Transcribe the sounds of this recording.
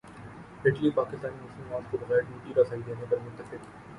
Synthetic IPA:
ɦɪʈliepaːkɪst̪aːnimuːsəlmaːt̪kobɐɣɛːɾʈuːʈiɾasaːid̪eːnepɐɾmʊnt̪əfɪk

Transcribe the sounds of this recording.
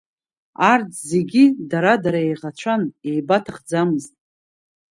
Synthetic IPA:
art͡sʰʼze̞ɡʲidaɾadaɾaejʁat͡ʃʷʰane̞jbatʰaχd͡zamɨztʼ

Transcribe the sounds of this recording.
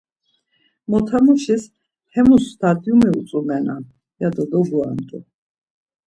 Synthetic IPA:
mɔt̪ʰamuʃɛs | hɛmusːt̪ʰad̪ʼiumiusʼumɛna̰ | jad̪ɔd̪ɔɡuand̪ʼu

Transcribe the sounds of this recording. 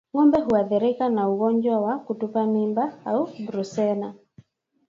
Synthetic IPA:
ŋɔmbɛɦuaðɛɾɪkanauɣɔɲd͡ʒɔwakutupamimbaaubɾusɛna

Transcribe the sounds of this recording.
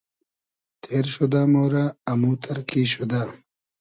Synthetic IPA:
t̪ʰeːɾɕud̪aːmoːɾaːmuːt̪ʰɐɾkiːɕud̪aː

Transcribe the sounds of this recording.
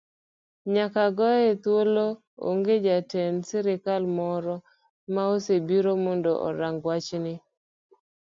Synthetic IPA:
ɲakaɡɔɛt̪wolo | o̰ŋɡed͡ʒatɛnsɪɾɪkalmɔɾɔ | maosebiɾomɔndɔʔɔ̰ɾaŋɡwat͡ʃnɪ

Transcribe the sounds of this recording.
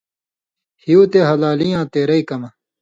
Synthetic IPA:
hiuːt̪eɦɐlaːlijãːt̪eːɾɐikɐmɐ

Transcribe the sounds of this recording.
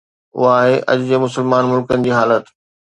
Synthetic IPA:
ʊ̰ɦaːɦeʔɐ̰ʄd͡ʑeːmʊsəlmaːnmʊlkənɪ̆d͡ʑiːɦaːlət̪

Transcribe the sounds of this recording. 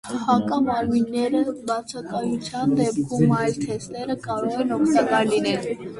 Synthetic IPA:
hɑkɑmɑɾminːɛɾəbɑt͡sʰɑkɑjut͡sʰjɑnd̪ɛpkʰumɑjlt̪ʰɛst̪ɛɾəkɑɾɔʁɛnɔkʰt̪ɑkɑɾlinɛl

